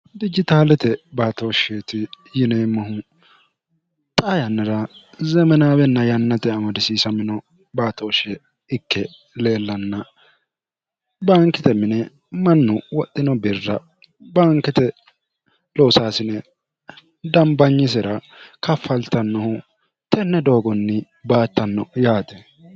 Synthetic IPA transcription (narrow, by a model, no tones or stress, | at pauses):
d̪ɪd͡ʒɪt̪aːlɛt̪ɛbaːt̪oːʃeːt̪ɪ | jɪnemɐɦʊ | t̪ʼɐjɐnːɐɾɐ | zɛmɛnaːbɛnːɐjɐnːɐt̪ɛɐmɐd̪ɪsiːsɐmɪnɔ | baːt̪oʃɛ | ɪkːɛ | le̞ːlːɐnːɐ | baːŋkɪt̪ɛmɪnɛ | mɐnːʊwɔt̪ʼːɪnɔbɪrːɐ | baːŋkːɪt̪ɛ | loːsaːsɪnɛ | d̪ɐmbɐɲːɪs̬ɛɾɐ | kɐfːɐlt̪ɐnːɔhʊ | t̪ɛnːɛd̪o̞ːɡɔnːɪ | baːt̪ːɐnːɔjaːt̪ɛ